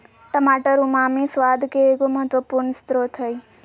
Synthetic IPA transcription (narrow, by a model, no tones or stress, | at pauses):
ʈəmaːʈəɾumaːmĩsʋaːd̪ʱkeːkoməɦət̪ʋəpuɾɳst̪ɾot̪ʰəi